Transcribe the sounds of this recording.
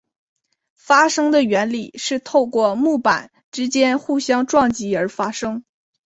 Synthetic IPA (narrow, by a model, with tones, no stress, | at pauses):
fa˥ʂɤ˥ŋd̪ə˨ɥɛ˧˥nli˨˩ʂɻ̩˥˧t̪ʰo˥˧ʊkwɔ˥˧mu˥˩pa̰˨˩˦n | ʈ͡ʂɻ̩˥t͡ɕjɛ˥nxu˥˩ɕjɑ˥ŋʈ͡ʂwɑ˥˩ŋt͡ɕi˧˥ə˞˧˥fa˥ʂɤ˥ŋ